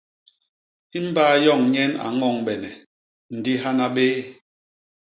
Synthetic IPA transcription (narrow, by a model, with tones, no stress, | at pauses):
i˦m̩˦baː˦jɔ˦˨ŋɲɛ˦na̰˨ŋɔ˦˨ŋbɛ˨nɛ˨ | n̩˨di˦ɦa˦na˦ɓe˦